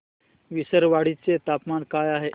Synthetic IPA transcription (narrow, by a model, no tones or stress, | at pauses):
ʋisəɾʋaɽ̤it͡set̪apmankajaɦe